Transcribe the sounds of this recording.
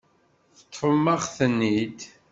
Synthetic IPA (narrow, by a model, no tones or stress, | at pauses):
θə̥t̪ːˤfəmːɑʁθənːid̪